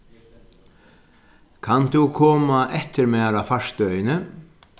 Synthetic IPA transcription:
kʰant̪ʰuwkʰɔːmaʔɛt̪ɪɾmɛːaɾafaʂt̪œɥjɪnə

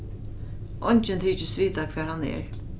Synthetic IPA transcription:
ʔɔɲt͡ʃɪnt̪ʰiːt͡ʃɪsviːt̪akʰʋɛːɾhanːɛ̰ɹ

